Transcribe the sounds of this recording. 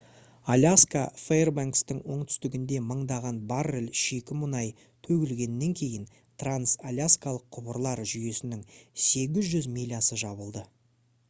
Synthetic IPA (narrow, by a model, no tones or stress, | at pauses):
alʲaskafeerbaŋkst̪ɪŋwo̞ɴt̪ʰʏ̥st̪ɪɡʲɪnd̪e̞məɴd̪ɑʁɑnbarɪlʲʃekʲɪmʊnɑj | t̪ʰɵɡʲɪlɡʲe̞nːe̞ŋkʲʰe̞jɪn | t̪ʰransalʲaskalˠəqʰːʊbəɾlˠɑɾʒʏje̞sɪnɪŋse̞ɡʲɪzʒʏzmilʲijasəʒɑβəlˠd̪ə